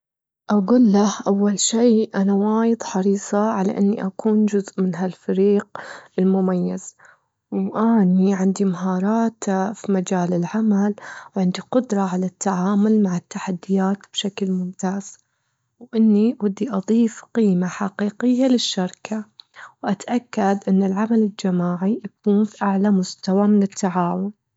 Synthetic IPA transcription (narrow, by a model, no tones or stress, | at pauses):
ʔaɡuːlːahʔawːalʃiːʔanawaːjɨd̪ˤħɑɾiːsˤɑʕala̰ʔɪnːiʔakuːnd͡ʒʊzʔmɪnɦalfaɾiːq̚ɪlmʊmajːaz̥ | wʔaniʕɪnd̪imaɦɑːɾˤɑːt̪fimad͡ʒaːlɪlʕamalwʕɪnd̪iqʊd̪ɾˤɑʕalat̪ːaʕaːmʊlmaʕɪt̪ːaħad̪ːɪjaːt̪b̥ʃaklmʊmt̪aːz̥ | wʔɪnːiwɪd̪ːiʔɑðˤiːfqiːmaħaqiːqɪjːalɪʃːɑɾˤkʰawʔat̪ʔakːad̪ʔɪnːɪlʕamalɪld͡ʒamaːʕijakuːnfiʔaʕlamʊst̪awamɪnɪt̪ʰːaʕaːwʊn